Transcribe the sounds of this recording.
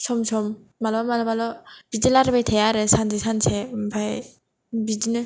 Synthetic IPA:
sɔmsɔmː | alɔbamalɔbalɔb̥idilaɾɯbajtʰejaɾɯsanzʰesansʰembʰaj | bidinɯ

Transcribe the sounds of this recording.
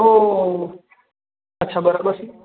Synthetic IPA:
o | ətːʃʰabəɾabəɾt͡ʃʰi

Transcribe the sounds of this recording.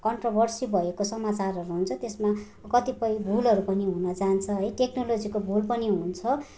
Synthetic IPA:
kʌɳʈrobʱʌrsibʱʌekosʌmat͡sarʌɾuɦunt͡sʰʌt̪esma | kʌt̪ipʌjbʱulʌɾupʌniɦunʌd͡zant͡sʰʌɦʌjʈeknolod͡zikobʱulpʌniɦunt͡sʰʌ

